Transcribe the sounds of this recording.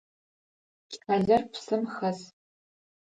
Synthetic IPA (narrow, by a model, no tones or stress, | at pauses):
aɮɐrpʰsɨmxɐz